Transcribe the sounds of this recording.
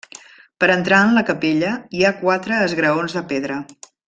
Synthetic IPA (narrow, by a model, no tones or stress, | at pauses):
pəɾənt̪ɾaənləkəpeʎəiakwat̪ɾəːzɣɾəonzðəpeðɾə